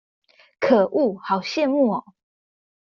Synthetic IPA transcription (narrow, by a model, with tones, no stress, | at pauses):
kʰə˨˩ʔu˥˨hɑ˨˩ʊɕjɛ˥˨nmu˥˨ɔ˨˩